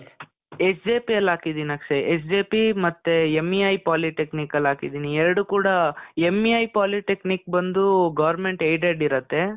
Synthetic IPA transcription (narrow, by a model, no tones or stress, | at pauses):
esd͡ʒeːpijɐlaːkid̪iːniaːkʂeʔes̬d͡ʒeːpimɐt̪ːeemːiajpaːliʈeknikɐlaːkid̪iːniɛɾɐɽukuːɽɐemːiaːjpaːliʈeknik̚bɐnd̪uɡɐʋɐɾmeɳʈejɖeɖiɾɐt̪ːe̞